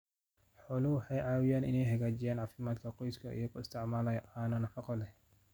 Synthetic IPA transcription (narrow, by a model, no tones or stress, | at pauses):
ħɔlʊwħɛjʕaːwɪjaːnʔɪ̰nɛjɦɛɣaːd͡ʒɪjaːnʕaːfɪmaːd̪kʰɐqɔjskʰɐʔḭjɔkʰʊɪst̪ʰɪʕmaːlɐjʔaːnɐnɐfɐqɔlɛ